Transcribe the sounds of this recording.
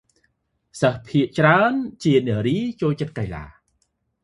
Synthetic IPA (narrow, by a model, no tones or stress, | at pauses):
səhpʰiəʔt͡ɕraənt͡ɕiənɛəɾiːt͡ɕoːlt͡ɕət̪̚kajla̰ː